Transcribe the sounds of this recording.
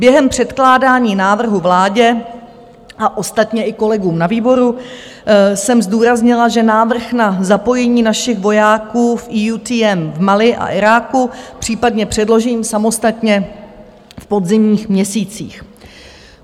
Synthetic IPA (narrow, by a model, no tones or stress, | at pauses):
bjɛɦɛmpr̝̥ɛt̪klaːdaːɲiːnaːvr̩ɦuvlaːɟɛ | ʔaʔo̞st̪at̪ɲɛʔɪko̞lɛɡuːmnaviːbo̞ɾu | sɛmzduːɾazɲɪlaʒɛnaːvr̩xnazapo̞jɛɲiːnaʃɪxvo̞jaːkuːfʔijuːt̪iːɛmvmalɪʔa̰ʔɪɾaːkupr̝̥iːpadɲɛpr̥ɛdlo̞ʒiːmsamo̞st̪at̪ɲɛ | fpo̞dzɪmɲiːxmɲɛsiːt͡siːx